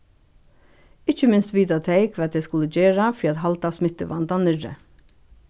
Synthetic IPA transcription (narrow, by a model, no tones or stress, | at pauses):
ɪt͡ʃəmɪnst̪ʋiːt̪at̪ʰeɪkʰʋɛːt̪ʰɛɪskʊləd͡ʒeːɹafɾiːat̪ɦalt̪asmɪt̪əʋant̪anɪɹə̰